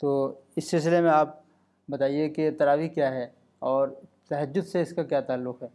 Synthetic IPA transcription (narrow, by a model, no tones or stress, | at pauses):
t̪oːɪsːɪls̬ɪlemẽaːp̚ | bɐt̪aːieket̪ɐɾaːʋikjaːɦɛ | ɔːɾt̪ɐɦəd͡ʒːʊd̪seɪskakjaːt̪aːlːʊqɦɛː